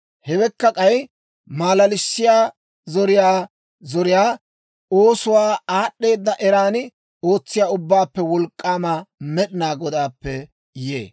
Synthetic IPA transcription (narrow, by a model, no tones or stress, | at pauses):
hɛwɛkːɐkʼɐj | maːlɐlɪsːɪjaː | zɔɾɪjaː | zɔɾɪjaː | oːsʊwaːaːɗːe̞ːd̪ːɐʔɛɾaːnɪ | o̞ːt͡sːɪjaːʊbːaːpːɛwɔlkʼːaːmɐamɛɗɪnaːɡɔd̪aːpːɛ | jḛː